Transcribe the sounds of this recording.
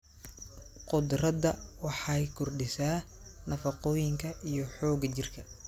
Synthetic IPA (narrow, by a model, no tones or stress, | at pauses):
qʊd̪rɐd̪ɐwɑħɑjkʰʊrɖɪsaː | nɐfɐqɔːjɪŋkʰɐʔijɞħɔːɡɐt͡ʃɪrkʰɐ